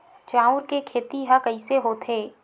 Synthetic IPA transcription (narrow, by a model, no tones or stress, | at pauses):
t͡ʃãːʊɾkekʰeːt̪iɦãkɐiseɦoːt̪ʰeː